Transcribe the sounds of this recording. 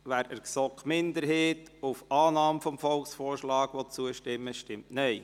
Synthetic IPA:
ʋæːɾəɾksɔkmɪndəɾɦɛːtʊfɑːnɑːmfɔmfɔlksfoːrʃlɑːɡ̥ʋot͡suəʃtɪmːəʃtɪmtnɛɪ

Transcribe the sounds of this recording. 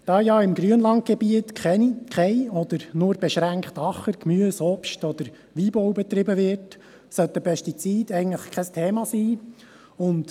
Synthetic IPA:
d̥ɑːjɑːɪmɡɾyənlɑnt̚ɡ̥ɛbiət̪kʰχɛnikχɛɪɔd̪əɾnʊːɾbɛʃɾæŋkχt̪ɑχəɾkmyəsɔpʃtɔd̪əɾ | ʋiːbɔwbɛt̪ɾɪbəʋɪɾt | sœt̪ːəpʰɛstit͡siːd̥̪ɛɪɡn̩tləχkʰɛstʰɛːmɑsiː | ʊnt

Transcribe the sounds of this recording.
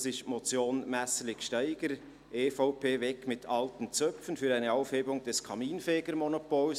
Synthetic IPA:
sɪʃtmɔt͡sjoːnmæslɪçʃtæɪɡ̥əɾ | eːfaʊpʰeːvɛkmɪtʰɑltənt͡sœfənfyːɾæɪnəɑʊfheːbʊŋd̥ɛskʰɑmiːnfɛːɡ̥əɾmɔnopols

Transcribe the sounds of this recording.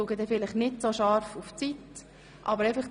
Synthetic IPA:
uːɡəd̪ɛfɪlɪχnɪtsoʃɑɾfuft͡sit | ʔɑbəɾɛɪfəχ

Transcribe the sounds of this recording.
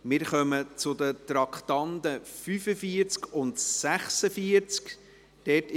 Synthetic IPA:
mɪːɾχœmət͡sʊdətɾɑkχtɑndəfyfəfiəɾt͡skʊntsæχsəfiəɾt͡sk | d̥ɛt

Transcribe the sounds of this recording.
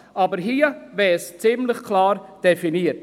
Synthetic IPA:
ʔɑːbəɾɦiːəvɛst͡sɪmlɪxkʰlɑːɾd̥ɛfiniːət

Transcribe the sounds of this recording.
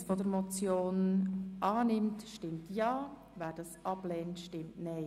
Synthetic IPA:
fodəɾmɔt͡sjoːnʔɑːnɪmtʃtɪmtjɑː | ʋæːd̥ɑːsʔɑblɛːntʃtɪmtnɛɪ

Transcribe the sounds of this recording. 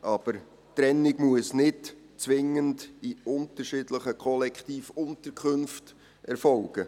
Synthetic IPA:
ʔɑb̥əɾ | tɾɛnːɪɡmuəsnɪt | t͡sʋɪŋːəndiʊntəɾʃɪdləχəkʰχɔlɛkχtiːfʊntəɾkʰχɵnft | ʔɛɾfɔlɡ̥ə

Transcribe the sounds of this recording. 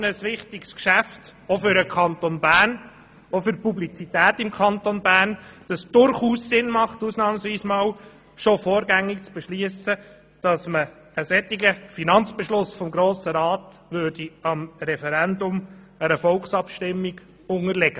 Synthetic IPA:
nəsʋɪχtɪkskʃæftofʏɾəkʰɑntonbæːɾn | ofʏɾpublit͡sitæːtɪmkʰɑnt̪onbæːrnd̥ɑsd̥ʊɾχuːssɪnmɑχtuːsnɑːmsʋiːsmɑːw | ʃofɔːɾɡæŋːikt͡sb̥ɛʃliəsə | d̥ɑsmə | əsɛt̪ːiɡəfinɑnt͡sb̥ɛʃlʊsfɔmɡɾoːsəɾɑːt | ʋøɾd̥iɑmɾɛfɛɾændʊm | əɾəfɔlksɑpʃtɪmːiɡ̥ | ʊŋəɾlɛɡ̥ə

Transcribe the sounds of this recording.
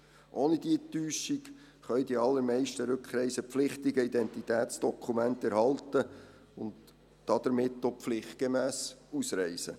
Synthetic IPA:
ʔoːnəd̥iətyːʃik | χœʏdiɑlːəɾmɛɪʃtəɾɵkχɾɛɪsəpflɪχtɪɡəid̪ɛnt̪itæːtsd̥ɔkʰumæntɛɾhɑltə | ʊnd | d̥ɑd̥̪əɾmɪtːopflɪχt̚ɡ̥emæːsusɾɛɪsə̰

